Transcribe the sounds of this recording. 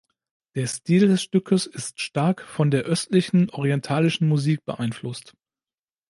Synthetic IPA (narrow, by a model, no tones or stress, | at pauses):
d̥eːɐstiːldɛsʃtʏkʰəsɪstʃtaɐkfɔndeːɐʔœstlɪçn̩ʔɔʁ̞iɛntʰaːlɪʃn̩muziːk̚b̥əʔaɪnflʊst